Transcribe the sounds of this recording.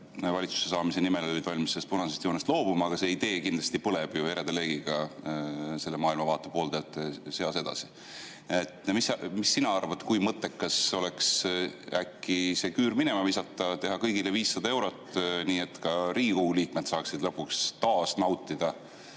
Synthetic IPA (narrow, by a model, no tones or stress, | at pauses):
vɑlʲit̪su̥se̞sɑːmise̞nimeloid̪̥vɑlʲmisest̪punɑsest̪joːnest̪lo̞ːb̥umɑːɡ̥ɑse̞ːid̪e̞ːkind̪lɑst̪ipɤleb̥jue̞ɾed̪ele̞ːɡ̥iɡ̥ɑ | se̞lːemɑːilmɑvɑːt̪ːˑepo̞ːld̪et̪ːˑeseɑse̞d̪ɑ̰si̥ | et̪ːˑmismisːinɑɑrvɑt̪kujmɤt̪ːˑe̞kːɑso̞leksækˑːise̞kyːɾminemɑvisɑt̪ːˑɑt̪e̞ɦɑkɤjɡ̥ileviːsːɑd̪ɑe̞wɾo̞t̪ːˑniːe̞t̪ːkɑɾiːkuliːk̚met̪sɑːksid̪̥lɤpːukst̪ɑːsnɑwt̪ːˑid̪̥ɑ